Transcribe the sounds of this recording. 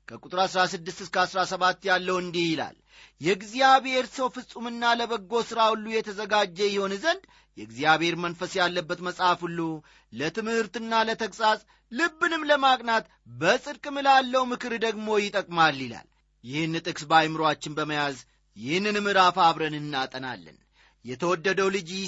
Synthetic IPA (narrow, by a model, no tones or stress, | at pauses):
kʰəkʼut̪ʼɨɾasɾasɨd̪ːɨst̪ɨskəasɾasəβat̪ːjalːəwɨnd̪ihjɪla̰l | jɛɡzijaβhe̞ɾsəwfɨsʼumɨnːaləβəɡːo̞sɨɾaulːujɛt̪ʰəzəɡad͡ʒːɛjɪho̞nzənd̪ | jɛɡzijaβhe̞ɾmənfəsjalːəbːət̪məsʼafhulːu | lət̪ɨmhɨɾt̪ɨnːalət̪ʰəkʼsʼasʼ | lɨbːɨnɨmləmakʼnat̪ | bəsʼɨɾkʼɨmɨlalːəwmɨkʰɨɾd̪əɡmo̞jɪt̪ʼəkʼmalːila̰l | jɪhɨnːɨt̪ʼɨkʼsbajmɨɾat͡ʃːɪnbəməjaz | jɪhɨnːɨnmɨɾafaβɾənɨnːat̪ʼəna̰lːə̰n | jɛt̪ʰəwɔd̪ːəd̪əwlɨd͡ʒi